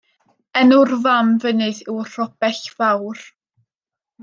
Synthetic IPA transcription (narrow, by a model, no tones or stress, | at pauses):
ɛnʊrvamvənɨðɪwr̥ɔpɛɬvawr